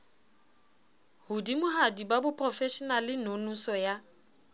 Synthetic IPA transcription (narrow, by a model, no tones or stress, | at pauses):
hʊdimʊɦadibabʊpʰʼrɔfɛʃɔnalɪnonusɔja